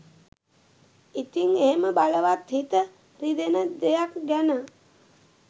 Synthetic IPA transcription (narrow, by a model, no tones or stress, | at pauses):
it̪iŋeɦeməbaləʋat̪ɦit̪ə | ɾid̪enəd̪ejakɡɛnə